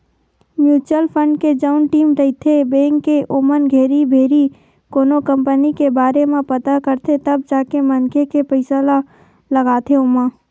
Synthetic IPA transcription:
mjuːt͡ʃəlpʰə̃ɳɖked͡ʒaʊnʈiːmɾəit̪ʰebeːŋkeʔomənɡʱeːɾibʱeːɾi | koːnokə̃mpənikebaːɾemẽpɐt̪akəɾt̪ʰet̪əb̚d͡ʒaːkemənkʰekepəɪsala | ləɡaːt̪ʰeʊːmã

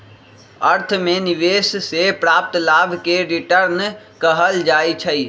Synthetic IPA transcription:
əɾt̪ʰmeniʋessepɾap̚t̪labʱkeɾiʈəɾn | kəɦəld͡ʒajt͡ʃʰəj

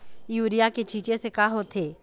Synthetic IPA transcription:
juːɾijaket͡ʃiːt͡ʃesekaːɦot̪ʰeː

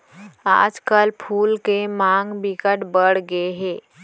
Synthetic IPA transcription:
a̰d͡zkalpʰuːlkemaŋɡbikəʈbəɽɡeɦe

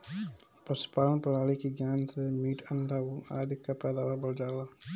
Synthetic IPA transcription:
pɾəspaːlənpəɽ̤aːɽikiɡjaːnsemiːʈʰənɖʱaua̰ːd̪ʱɪkːapɛːd̪aːʋabəɽd͡ʒaːla

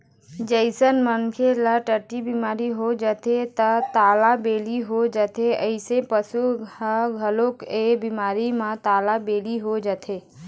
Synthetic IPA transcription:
d͡ʒəɪsənmənkʰelaʈəʈːibimaːɾiɦod͡ʒət̪et̪ət̪aːlabeːliɦod͡ʒət̪ʰeəɪsepəsuhəɡʱəlokebimaːɾimãt̪aːlabeːliɦod͡ʒat̪ʰeː

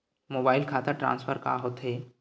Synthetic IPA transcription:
moːbaːɪlkʰaːt̪aʈɾã̰ːnsfʰəɾka̰ɦot̪ɦeː

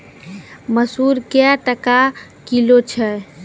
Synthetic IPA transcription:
məsuɾkjaʈəka | kilot͡ʃʰɛ

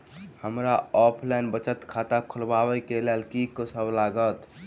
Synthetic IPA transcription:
həmɾaɔpʰlɛjnbət͡ʃət̪kʰat̪akʰulbabɛjkelelkikəsʰəblaɡət̪

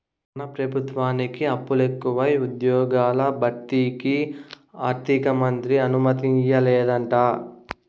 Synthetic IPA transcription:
nɐpɾɐbʱut̪ʋaːnikiɐpːulekːuʋɐjud̪jɔːɡaːlɐbʱɐʈːiːki | aːɾt̪ʰikɐmɐnt̪ɾiɐnumɐt̪iɲt͡ʃɐlɛːd̪ɐɳʈaː

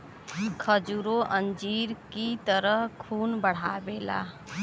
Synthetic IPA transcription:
kʰəd͡ʒuɾoʔə̃nd͡ʒiːɾkit̪əɾəɦkʰuːnbəɽ̤aːbeːla̰ː

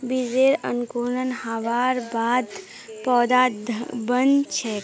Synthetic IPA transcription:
bizeːɾə̰nkunənhaʋaːɾbaːd̪ | pɔːd̪aːbənt͡ʃʰɛ

